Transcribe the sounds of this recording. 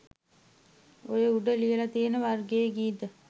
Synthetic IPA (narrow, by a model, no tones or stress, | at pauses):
ojəuɖəlijəlat̪ienəʋarɡejeɡiːd̪ə